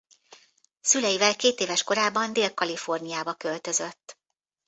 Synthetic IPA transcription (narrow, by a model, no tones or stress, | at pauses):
sylɛjivɛlkeːt̪eːvɛʃko̞ɾaːbɒnd̪eːlkɒlifo̞rnijaːbɒkølt̪ø̞zøt̪ː